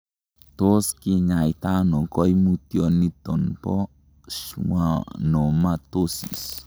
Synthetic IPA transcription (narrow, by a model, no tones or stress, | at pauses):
t̪oskiɲait̪anokɔjmut̪iɔnːit̪ɔnpɔ | suwanomat̪osḭs